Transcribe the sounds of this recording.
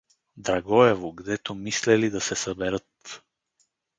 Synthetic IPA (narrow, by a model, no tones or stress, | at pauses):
d̪ɾaɡɔɛvoɡd̪ɛt̪omislɛlid̪asɛsəbɛɾət̪